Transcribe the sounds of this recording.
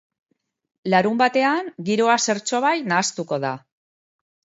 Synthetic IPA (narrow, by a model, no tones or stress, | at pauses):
laɾumbat̪e̞aŋɡiɾo̞ase̞ɾt͡so̞βajnaːst̪uko̞ð̞a